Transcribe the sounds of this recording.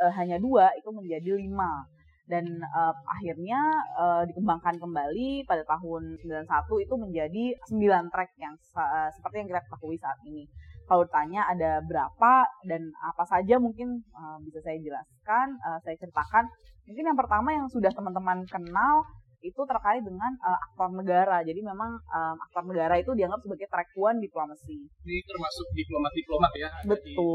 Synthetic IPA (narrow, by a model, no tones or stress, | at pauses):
əɦaɲaduait̪uməɲd͡ʒadilima | danəːʔa̰ɦirɲaədikəmbaŋkankəmbalipadat̪aɦʊnsəmbilansat̪uit̪uməɲd͡ʒadisəmbilant̪ɾɛk̚jaŋ | əsə̥pərt̪ijaŋkit̪akət̪aɦuisaːt̪̚inikalut̪aɲaːdabəɾapadana̰pasad͡ʒamuŋkɪnəbisasajad͡ʒəla̰skanəːsajat͡ʃəɾit̪akan | muŋkɪnjaŋpərt̪amajaŋsudaht̪əmant̪əmankənal | it̪ut̪əɾkaɾɪdəŋanəak̚t̪ɔrnəɡaɾad͡ʒadimemaŋəma̰k̚t̪ɔrnəɡaɾait̪udiaŋɡap̚səbaɡajt̪ɾɛk̚uandiplomasiit̪ərmasʊk̚diplomat̪̚diplomat̪jabət̪ʊl